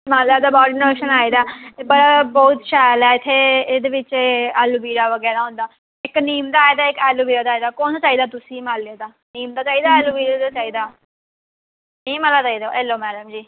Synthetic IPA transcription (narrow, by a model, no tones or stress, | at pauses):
maːlːaːd̪aːbɔːʈnoːʃənaːid̪aːt̪ebəɽaːbɔːt̪ʃaːjlɛːɪt̪ʰːeːeːd̪eːʋɪt͡ʃːɛːluːbiːɾaːʋəɡɛːɾaːɦʊ̃nd̪aː | ɪkniːmd̪aːed̪aːɪkɛːluːbiːɾaːd̪aːid̪aːkɔːnd̪aːt͡ʃaːiːd̪aːt̪ʊsĩːmaːlːead̪aː | niːmd̪aːt͡ʃaːiːd̪aːɛːluːbiːɾad̪aːt͡ʃaːiːd̪aː | nĩːmaːlaːt͡ʃaːiːd̪oːɛːlːoːmɛːləmd͡ʒiː